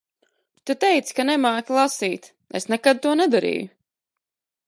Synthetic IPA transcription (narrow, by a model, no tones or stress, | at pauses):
t̪ut̪ɛjt̪skanɛmaːklˠasiːt̪ | esnɛkad̪̚t̪uɔnɛd̪aɾḭːjʊ